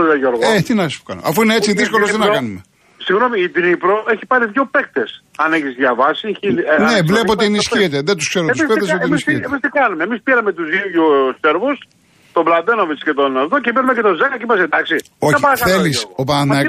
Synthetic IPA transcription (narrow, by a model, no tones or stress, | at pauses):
oðɐʝoɾɣet̪inɐspo̥kɐ̰no̰ɐfuineet͡siðiskolost̪inɐkɐnume̞ | siɣno̞miːd̪inipɾoʔe̞çipɐɾiðʝope̞k̚t̪e̞sɐneçizðʝɐvɐsiinevle̞poot̪ienisçiet̪eðet̪uskse̞ɾosfed̪esoimisçietemist̪iɡɐnumeːmispiɾɐmet̪uzijuseɾvus | t̪oblɐd̪enoviscet̪onɐft̪ocepiɾɐmecet̪ozɐkɐcimɐsed̪ɐksi | oçɐɐkɐθelisop̬ɐɐ